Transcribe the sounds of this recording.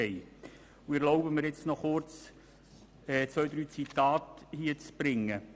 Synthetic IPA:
ɛɪ | uɪɾloʊbəmɪɾjɛt͡snɔχʊrt͡s | ɛːt͡sʋœʏd̥̪ɾyːt͡sit̪ɑːthiət͡sb̥ɾɪŋːə

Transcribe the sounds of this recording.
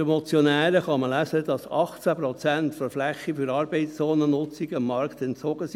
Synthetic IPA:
emɔt͡sjɔnæːɾəχɑməlæsəd̥̪ɑsɑχt͡sæpɾɔt͡sænt̪fɔɾflæχːifyɾɑːɾbɛɪst͡sɔːnənʊt͡siɡəɪmːɑɾkt̪ɛnt͡sɔɡ̥əs

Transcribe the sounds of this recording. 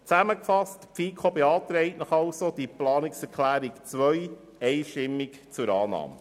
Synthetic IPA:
t͡sæməkfɑstpfiːkʰobeɑːt̪ɾɛɪtnɑχɑwsod̥iplɑːnɪksɛɾkʰlæːɾikt͡sʋœj | ɛɪʃtɪmːikt͡sʊɾɑːnɑ̰ːmə

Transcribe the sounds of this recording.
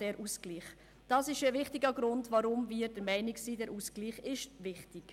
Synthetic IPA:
d̥ɛɾʔuskliːχ | d̥ɑːsɪʃəvɪχtɪɡəɡɾʊndvaɾʊmviːɾd̥əɾmɛɪnɪksiːdɛɾuskliːχɪʃvɪχtɪk

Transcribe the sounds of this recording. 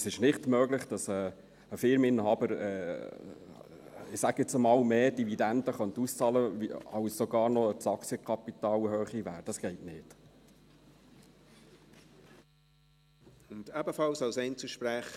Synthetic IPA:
sɪʃnɪχtmøːɡlɪχd̥ɑsə | əfɪɾmɪnːhɑbəɾɛ̰ | ɪsæɡɛt͡səmɑːlmeːd̥ividænd̥əχœnt̪ust͡sɑləiɑwssɔɡɑːɾnɔəsɑksəkʰɑpitɑːlhøːχiʋæːɾd̥ɑsɡ̥ɛɪtnɪːd̥ | ʊndæbəfɑlsɑlsɛɪnt͡suʃpɾæχ

